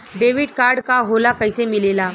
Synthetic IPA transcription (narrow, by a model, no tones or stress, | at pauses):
ɖeʋiɽkaɾɖkaɦolakəjsemilela